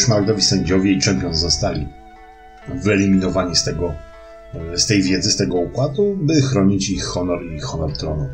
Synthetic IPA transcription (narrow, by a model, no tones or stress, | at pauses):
ʂmaɾd̪ɔvʲisɛɲd͡ʑɔvʲjɛit͡ʂɛmpʲjɔnzɔst̪alʲi | vɘɛlʲimʲinɔvaɲist̪ɛɡɔ | st̪ɛjvʲjɛd̪zɘst̪ɛɡɔukwad̪ubɘxɾɔɲit͡ɕixːɔnɔɾixːɔnɔɾt̪ɾɔnu